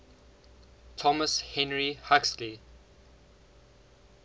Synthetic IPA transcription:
tʰɔməshɛ̃nɹihaksli

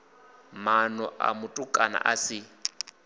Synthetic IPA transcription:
manɔʔa̰mʊtʼʊkʼana̰ʔasɪ

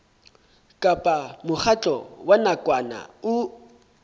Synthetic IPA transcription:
kʼapʼamʊχʰat͡ɬʼɔwanakʼwana̰ʊ

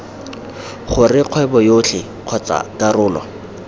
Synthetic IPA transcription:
χʊrɪq͡χʰwɛbɔjot͡ɬʰɪ | q͡χʰɔt͡sa̰karʊːlɔ̰

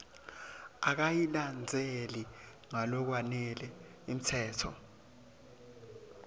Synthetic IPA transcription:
ak̬ajiland͡zʱeli | ŋalɔk̬wanɛlɛ | im̩tʰɛːtʰɔ̰

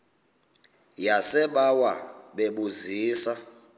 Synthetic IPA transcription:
jasɛɓawa | ɓeɓuziːsa

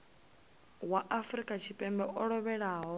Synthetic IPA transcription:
waʔafɾikʼat͡ʃʰipʼɛmbɛʔɔɺɔβɛɺaːɦɔ

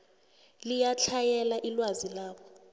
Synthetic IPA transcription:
lijat͡ɬʰajɛlaʔilwazilaːɓɔ

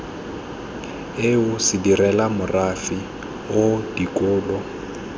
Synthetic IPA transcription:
ɪʊsɪdirɛlamʊrafi | ʊdikʼɔːlɔ

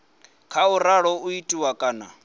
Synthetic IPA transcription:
kʰauraɺɔuitʼiwakʼaːna

